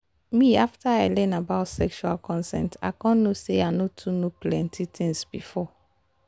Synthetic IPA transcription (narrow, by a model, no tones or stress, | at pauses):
miaftaaɪlɛ̃nabaʊtsɛkʃualkɔ̃nsɛ̰̃nta̰ɪkɔ̃nːoseanotʰunoplɛ̃ntʰitʰĩŋsbifɔ